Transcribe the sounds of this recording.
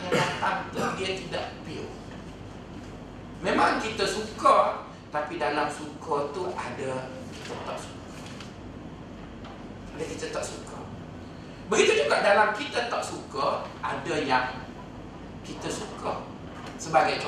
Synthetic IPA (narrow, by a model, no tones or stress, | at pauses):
nadat̪aŋt̪ədiət̪idaʔpi | memaŋkit̪əsukə | t̪apidalamsukət̪uʔadə | it̪ət̪ɔʔsu̥ka | adəkit̪ət̪ɔʔsukə̰ | bəɡit̪ud͡ʒ̪uɡaʔdalamkit̪ət̪ɔʔ̚sukəʔadəjaŋ | kit̪əsukə | səbaɡajt̪